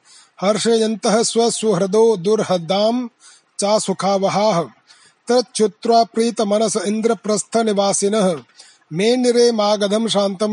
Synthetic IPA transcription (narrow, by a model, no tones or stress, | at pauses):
hɐɾʂɐjɐnt̪ɐɦɐ̆sʋɐsuɦɾɐd̪oːd̪uɾɦɐd̪aːm | t͡ʃaːsukʰaːʋɐɦaːɦɐ̆ | t̪ɐɾt͡ʃut̪ɾaːpɾiːt̪ɐmɐnɐsɐind̪ɾɐpɾɐst̪ʰɐniʋaːsinɐɦɐ̆ | meːniɾeːmaːɡɐd̪ʱɐmʃaːnt̪ɐm